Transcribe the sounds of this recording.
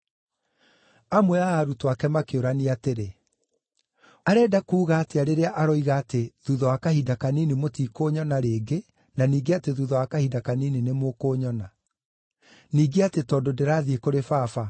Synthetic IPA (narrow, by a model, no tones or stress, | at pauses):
amwɛaːɾutwakɛmakeoɾaniateɾe | aɾɛːdakuːɣaːteaɾeɾeaʔaɾɔiɣaːteðuðɔwakahidakaniːnimotiːkoːɲɔnaɾeːɡe | naniːɡeateðuðɔwakahidakanininemokoːɲɔna | niːɡeatetɔːdodeɾaːðiekoɾefaːfa